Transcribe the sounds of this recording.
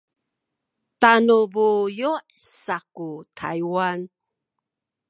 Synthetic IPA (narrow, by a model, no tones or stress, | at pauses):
tanubujuʔsakutʰa̰jwan